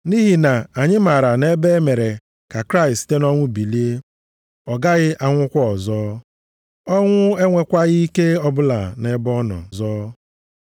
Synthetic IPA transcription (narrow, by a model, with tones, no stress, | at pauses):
ni˦ɦi˨na˨a˨ɲɪ˦ma˨ɾa˨ne˦be˦me˨ɾe˨ | ka˨kɾa˦ɪ˨stte˦nɔ˦ŋʷʊ˦bi˨li˦e˦ | ɔ˨ɡa˦ɣɪ˦ʔa˦ŋʷʊ˦kʷɔ˦ɔ˨zɔː˦ | ɔ˦ŋʷʊ˦e˦ŋʷe˨kʷa˦ɣi˦i˦ke˦ɔ˦bʊ˦la̰˨ne˨˦bɔ˦nɔ̰˨zɔː˦